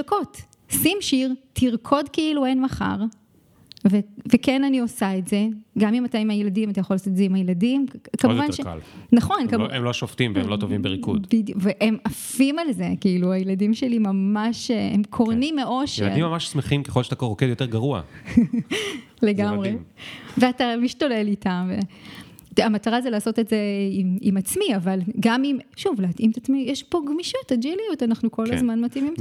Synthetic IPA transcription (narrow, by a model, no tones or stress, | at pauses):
ko̞t | simʃiʁtʰiʁkʰo̞dkeiluenmaχa̰ʁ | vevekenanio̞saetze̞ɡamimataimajeladimatajaχolaːsot̪ezeimhajeladimkamuvanʃea̰lnaχo̞nkamemloʃoft̪imveḛmlot̪ovimbeʁikṵdbidjuveʔemafimalzekiiluajeladimʃelimamaʃḛmkʰoʁnimːeʔo̞ʃjel̰d̰imːamaʃsmeχimkeχo̞lʃat̪akoʁokedjot̪e̞ʁɡaʁua̰ | leɡamʁeveatamiʃtole̞litamvḛ | amataʁazelaːso̞tetze̞imḭmat͡smiavalɡamimʃuvleatʔimet̪at͡smijeʃpoɡmiʃotad͡ʒilijotanaχnuko̞lazmanmatimim